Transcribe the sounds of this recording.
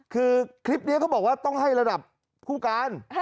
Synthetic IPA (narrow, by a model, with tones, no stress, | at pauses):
kʰɯː˧kʰɾi˦˥p̚ni˦˥kʰa˦˥wbɔː˨˩k̚waː˥˩t̪ɔ˥˩ŋɦa˥˩jɾa˧da˨˩p̚ | kʰuː˥˩kaː˧n